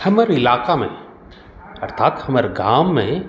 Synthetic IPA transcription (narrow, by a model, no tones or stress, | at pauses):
hɐməɾɪlaːkamḛ̃ | ɐɾt̪ʰaːt̪hɐməɾɡaːmːẽ